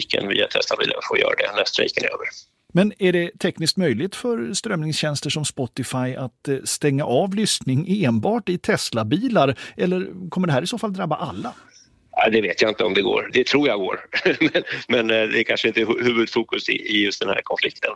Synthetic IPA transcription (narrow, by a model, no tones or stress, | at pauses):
kə̰nviːat̪ʰɛslabḭːla̰nfoːjœ̰ːɾad̪ɛ̰nɛst̪ɾḭːkənø̰ːvəɾ | mɛnæɖɛt̪ʰɛknɪskt̪mœjlɪt̪fœɾst̪ɾœmnɪŋsɕɛnst̪əʂɔmspɔt̪ːɪfajat̪st̪ɛŋːaʔɑvlʏsnɪŋeːnbɑːʈɪt̪ʰɛslabiːlaɾɛlːəɾkʰɔmːəɖɛhɦæːɾɪsoːfald̪ɾabːaʔalːa | ad̪ɛveːt̪jaɪnt̪əɔmd̪ɛɡo̰ːɾd̪ɛt̪ʰɾuːjaɡoːɾmɛnmɛnd̪ɛækʰanʂəɪnt̪əhʉ̟ːvɵd̪fuːkɵsɪ̰ʔɪjɵst̪d̪ɛnhæ̰ːɾkʰɔnflɪk̚t̪ən